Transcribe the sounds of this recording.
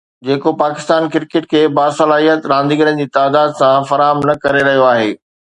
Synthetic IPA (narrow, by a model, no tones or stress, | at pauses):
d͡ʑeːkopaːkɪst̪aːnkɪɾkɪʈkʰeːbaːsɐlaːɦijət̪ɾãːnd̪iɡəɾənd͡ʑiːt̪aːd̪aːd̪sãfɐɾaːɦəmnɐkɐɾeɾɐɦijoaːɦeː